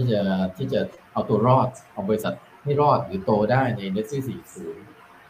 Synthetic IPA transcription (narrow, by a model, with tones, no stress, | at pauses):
iː˥˩t͡ɕa˨˩t̪ʰiː˥˩t͡ɕa˨˩ʔa˧wt̪u˧ɐɾɔː˥˩t̪̚ʔa˧wbɔː˧ɾi˧sa˨˩t̪̚ | ha˥˩jɾɔː˥˩t̪̚ɾɯː˩˦t̪oː˧daː˥˩jna˧jne˦˥k̚sɯː˥˩siː˩˦sɯː˦˥